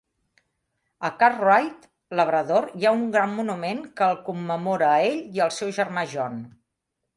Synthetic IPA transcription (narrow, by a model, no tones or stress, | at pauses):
əkarrwajt̪ | ləβ̞ɾəðoɾjauŋɡɾammunumenkəːlˠkumːəmoɾəeʎiəlˠsɛwʒərmaʒɔn